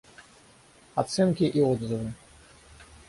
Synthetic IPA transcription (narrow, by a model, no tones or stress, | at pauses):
at̪sɛnkʲiʔiɔd̪zɨvɨ